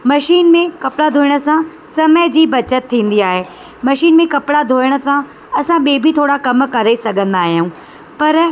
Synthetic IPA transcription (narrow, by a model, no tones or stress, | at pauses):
mɐʃiːnmẽkɐpɪɽad̪ʱoːɪɽ̃ə̆sã | sɐməd͡ʑiːbɐt͡ɕət̪t̪ʰːĩːn̆d̪iaːɦeː | mɐʃiːnmẽkɐpɪɽad̪ʱoːəɽ̃ə̆sã | ɐsãɓeːbʱit̪ʰoːɽakɐmkɐɾesɐɡʱə̃nd̪aːɦijũː | pɐɾ